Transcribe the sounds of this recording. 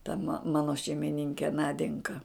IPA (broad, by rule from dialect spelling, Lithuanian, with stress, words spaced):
tɐ mɐ ˈmɑːnoː ʃʲɛɪmʲɪˈnʲɪŋʲkʲɛ ˈnɑːdʲɛŋkɐ